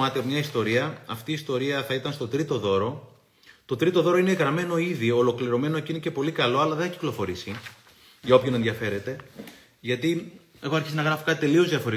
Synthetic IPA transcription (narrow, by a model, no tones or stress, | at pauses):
ɐt̪emɲɐist̪o̞ɾiɐɐft̪iːst̪o̞ɾiɐθɐit̪ɐnst̪o̞t̪ɾit̪o̞ðo̞ɾo̞ | t̪o̞t̪ɾit̪o̞ðo̞ɾo̞ine̞ɣɾɐme̞no̞iðioolo̞kliɾo̞me̞no̞ecinece̞po̞likɐlo̞ɐlɐðeeçciklo̞fo̞ɾisi | ʝɐo̞pçonenðiɐfe̞ɾe̞t̪e̞ | ʝɐt̪i | e̞ɣo̞ɐɾçisnɐɣɾɐfikɐt̪it̪e̞lio̞zðiɐfo̞ɾi